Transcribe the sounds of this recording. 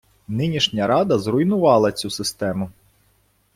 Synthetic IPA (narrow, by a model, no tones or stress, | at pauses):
nɪnʲiʃnʲɐɾɑd̪ɐzrʊjnʊʋɑlˠɐt͡sʲusɪst̪ɛmʊ